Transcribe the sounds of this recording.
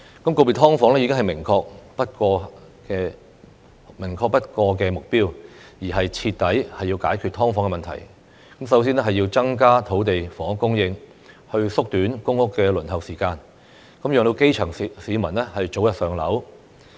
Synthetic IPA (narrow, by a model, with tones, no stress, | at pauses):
kɐ˨˦mko˧pi˨t̪ʰɔː˥ŋfɔː˨˥ŋlɛː˥i˨˥kɪ˥ŋɦɐ˨jmɪ˨˩ŋkʰɔː˧k̚pɐ˥t̚kɔː˧ | kɛː˧ | mɪ˨˩ŋkʰɔː˧k̚pɐ˥t̚kɔː˧k̬ɛː˧mʊ˨k̚piː˥wjiː˨˩ɦɐ˨jt͡sʰi˧t̚t̪ːɐ˨˥jhɐ˨jːiː˧wkaː˨˥jkʰy˨˧t̪ʰɔː˥ŋfɔː˧˥ŋɛ˧mɐ˨nt̪ʰɐ̰˨˩j | kɐ˨˥ms̬ɐ˨˥ws̬i˥nɛː˥ɦɐ˨jːiː˧wt͡sɐ˥ŋkaː˥t̪ʰo˨˥wt̪e˨jfɔː˨˥ŋkʊ˥ŋjɪ˧ŋ | hɵ˧ɥsʊ˥k̚t̪yː˨˥nkʊ˥ŋʊ˥kːɛː˧lɵ˨˩nhɐ˨˩wsiː˨˩kaː˧n | kɐ˨˥mjœː˨ŋt̪o˧wke˥jt͡ʃʰœ˨˩ŋsiː˨˥mɐ˨˩nlɛː˥hɐ˨jt͡ʃo˨˥wjɐ˨t̚sœː˨ŋlɐ̰˨˥w